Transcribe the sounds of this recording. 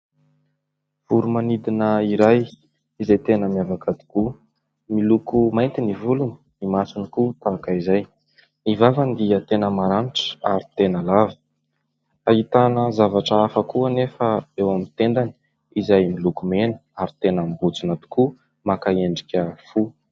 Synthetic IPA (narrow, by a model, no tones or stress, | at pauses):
v̥uɾumanid̪inəiɾaj | izajt̪enəmijavakad̪i̥ku | milukumajnt̪inivuluni̥ | imasinikut̪akaizaj | nivavand̪iət̪enəmaɾaniʈ͡ʂə̥aɾit̪enəlavi̥ | ait̪anəzavaʈ͡ʂəafəkuənefəewamint̪end̪ani̥ | izajmilukumenə̥aɾit̪enəmbut͡sinat̪u̥ku | makaeɳɖ͡ʐikʲəfu